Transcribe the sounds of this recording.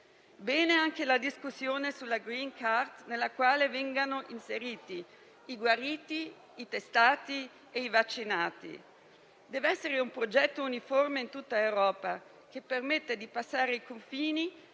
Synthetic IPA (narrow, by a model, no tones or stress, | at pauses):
bɛːneaŋkelad̪iskusːjoːnesulːaɡɾiŋkʰart̪nelːakwaːlevɛŋɡanoʔinseɾiːt̪i | iɡwaɾiːt̪iː | t̪est̪aːt̪i | eivat͡ʃːinaːt̪ḭ | d̪ɛːveɛsːeɾeumpɾod͡ʒɛt̪ːouniformeint̪ut̪ːaewɾɔːpa | k̟epːermet̪ːed̪ipasːaːɾeikoɱfiːni